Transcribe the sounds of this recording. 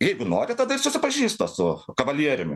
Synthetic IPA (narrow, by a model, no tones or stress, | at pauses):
jɛɪɡʊnoːɾʲɪt̪ɐd̪ɐɪrsʊsʲɪpɐʒʲiːst̪ɐsʊkɐʋɐlʲiɛɾʲɪmʲɪ